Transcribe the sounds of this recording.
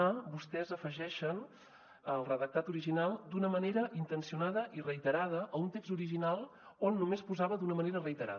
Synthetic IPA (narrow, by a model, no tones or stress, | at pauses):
abust̪ɛzəfəʒɛʃən | əlˠrəðək̚t̪at̪uɾiʒinalˠd̪unəməneɾəʔint̪ənsiunaðəʔirəit̪əɾað̞əʔːunt̪ekzuɾiʒinalˠ | onːumespuzaβəd̪unəməneɾərəit̪əɾa̰